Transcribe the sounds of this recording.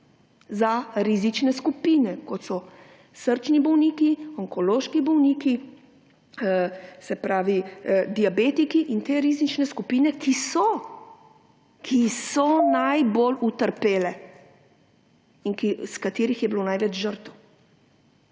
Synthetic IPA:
zaɾizit͡ʃnɛskupiːnɛkɔt̪sɔ | səɾt͡ʃnibɔwniːkiɔŋkɔloːʃkibɔwniːki | sɛpɾaːʋid̪iabeːt̪ikiʔint̪eːɾizit͡ʃnɛskupiːnɛkʰisɔ | kʰisɔnajbolut̪əɾpeːlɛ | iŋkiskat̪eːɾixjɛbilonajʋɛt͡ʃʒəɾt̪əw

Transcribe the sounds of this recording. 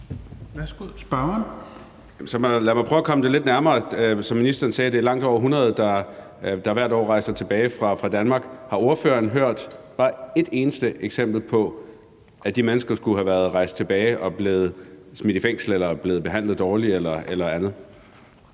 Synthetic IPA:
æsɡ̥usb̥ɑn | jmsɒmælæmɑ̈ɪpʰœʊɐkʰɒ̽məd̥e̝le̝d̥næɐmɐːsɒ̽minisd̥ɐːn̩sɛːd̥e̝æɐlɑ̈ŋ̰d̥ɒ̰ʊɐɦunʁɐð̞̩ˠd̥ɑ̈ | d̥ɑ̈ʋæɐ̰dɒ̰ːʁɑ̈ɪsɐt͡sʰe̝b̥ɛːɪfʁɑ̈fʁɑ̈d̥ænmɑ̈ːɡ̥hɑ̈o̝ɐføːɐnɦøɐ̰d̥b̥ɑ̈ːe̝d̥e̝ːnəsd̥əʔeɡ̥sem̰b̥l̩pʰɒ̽ | ʔæd̥imenəsɡ̥ɐsɡ̥uɦæʋæɐð̞ˠʁɑ̈ɪsd̥̚t͡sʰe̝b̥ɛːɪʔɒ̽b̥le̝ːð̞̩ˠsmid̥ifeŋ̰sl̩elɐb̥le̝ːð̩ˠb̥e̝ɦæn̰lð̩ˠd̥ɒːlielɐelɐænð̩ˠ

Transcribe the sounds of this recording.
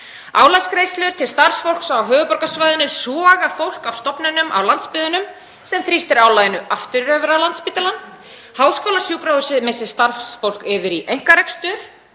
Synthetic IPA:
aːwlaskɾeːjst̪lɪɾ̥t̪ʰɪlst̪aɾfsfowl̥ksawɦœːvʏpɔɾkasvajðʏnɪsɔːɣafowl̥kawst̪ɔpnʏnʏmʔa̰wlant̪spɪðʏnʏm | sɛmt̪ʰɾist̪ɪɾawlajɪnʏʔaft̪ʏɾɾœvʏɾawlant̪spit̪ɪlan | haːwskoːwlasjukɾawðʏsɪðmɪsɪ̥st̪aɾfsfowl̥kɪːvɪɾiʔejŋ̥kaɾɛkst̪ʏɾ̥

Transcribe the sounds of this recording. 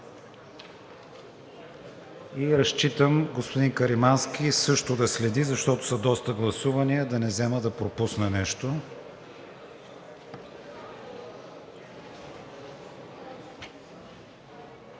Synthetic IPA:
iɾɐʃt͡ʃit̪əmɡospʊd̪inkɐɾimansk̟ʲisɤʃt̪ʊd̪ɐslɛd̪izɐʃt̪ɔt̪ʊ̥sɐd̪ɔst̪əɡlˠɐsuvɐniəd̪ɐnɛzɛməd̪ɐpɾopusnɐnɛʃt̪o

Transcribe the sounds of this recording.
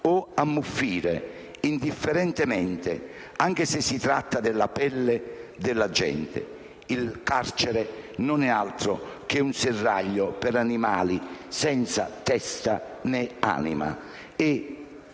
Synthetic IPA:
ɔamːufːiːɾe | ind̪ifːeɾɛnt̪ɪmɛnt̪ɪ | aŋk̟esɪsːit̪ɾat̪ːad̪ɪlːapɛlːed̪ɪlːad͡ʒɛ̰nt̪ɪ̰ | ilkart͡ʃɛɾenʊnɛalt̪ɾʊk̟eunsɪrːa̰ʎːʊpɪɾanimaːlisɛnt̪sa̰t̪ɛst̪a | nɪa̰ːnḭma̰ | ɪ

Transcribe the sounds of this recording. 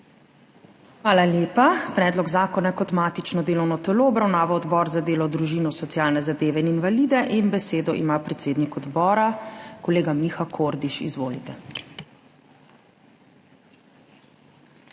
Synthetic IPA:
xʋaːlaljeːpapɾɛːd̪lɔɡzaːkɔnajkɔt̪mat̪it͡ʃnɔd̪eːlɔwnɔt̪ɛloːbɾawnaːʋaɔd̪bɔːɾzad̪eːlɔd̪ɾuʒiːnɔsɔt̪siaːlnɛzad̪eːʋɛininʋaliːd̪ɛʔinbɛseːd̪ɔʔḭmapɾɛt̪seːd̪nikɔd̪bɔːɾakɔleːɡamixakʰoɾd̪iʃḭzʋoːlit̪ɛ

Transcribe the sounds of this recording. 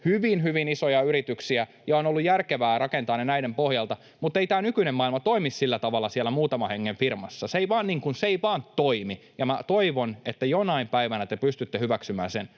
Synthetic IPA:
hyʋinhyʋinisojɑyɾit̪yksiæ | jɑonolːujærkeʋæːrɑkent̪ɑːnenæidempohjɑlt̪ɑ | mut̪ːˑeit̪æːnykynemmɑilmɑt̪oimissilːæt̪ɑʋɑlːɑsiælːæmuːt̪ɑmɑheŋːeɱfirmɑsːɑseiʋɑːniːŋkunseeiʋɑːnt̪oimi | jɑmæt̪oiʋonet̪ːæjonɑimpæiʋænæt̪epyst̪yt̪ːehyʋæksymæ̰ːnsen

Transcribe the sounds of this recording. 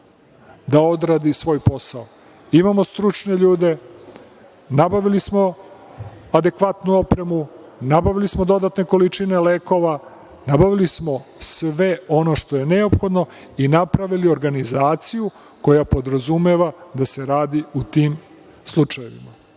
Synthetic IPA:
d̪aod̪ɾaːd̪isʋo̞ːjpo̞sao | imamo̞st̪ɾut͡ʂne̞ʎuːd̪e̞ | nabaʋilismo̞ | ad̪e̞kʋat̪nuo̞pɾe̞mu | nabaʋilismo̞d̪o̞d̪at̪ne̞ko̞lit͡ʃine̞leːko̞ʋa | nabaʋilismo̞sʋe̞o̞no̞ʃt̪o̞je̞ne̞opxo̞d̪no̞ | inapɾaʋilio̞ɾɡanizaːt̪siju | ko̞japo̞d̪ɾazumeʋad̪ase̞ɾaːd̪iut̪iːm | slˠut͡ʃajeʋḭma

